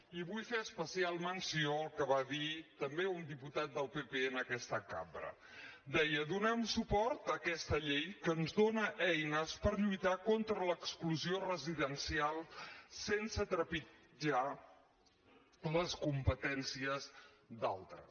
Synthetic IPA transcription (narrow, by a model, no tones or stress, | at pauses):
iβujfeəspəsialˠmənsiokəβaðit̪əmbeund̪iput̪at̪̚d̪əlˠpepeənəkɛst̪əka̰mbɾə̰ | d̪ɛjəd̪unɛmsupɔɾt̪əkɛst̪əʎejkənzðonəʔɛjnəspəɾʎujt̪akont̪ɾələkskluziorəziðənsialˠsensət̪ɾəpi | d͡ʒa | ləskumpət̪ɛnsiəz | d̪a̰lˠt̪ɾə̰